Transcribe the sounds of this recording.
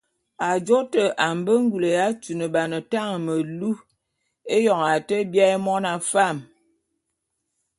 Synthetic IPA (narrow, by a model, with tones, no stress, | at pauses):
a˨d͡ʒo˦tə˨ʔa˨m˨bə˦ŋ̩˦ɡu˨lə˨ja˦t͡ʃu˨nə˨ba˨nə˨ta˦ŋə˨mə˨lu˦ | e˦jɔ˨ŋa˨tə˦bja˦e˦mɔ˦na˨fa˦˨m